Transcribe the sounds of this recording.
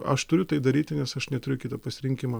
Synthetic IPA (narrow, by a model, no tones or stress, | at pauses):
ɐʃt̪ʊɾʲʊt̪ɐɪd̪ɐɾʲiːt̪ʲɪnʲɛsɐʃnʲɛt̪ʊɾʲʊkʲɪːt̪ɐpɐsʲɪɾʲɪŋʲkʲimɐ